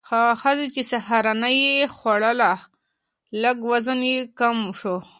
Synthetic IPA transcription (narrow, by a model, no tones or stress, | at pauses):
xaxazit͡ʃesahaɾanajexwaɽəla | laɡwazənjekamʃo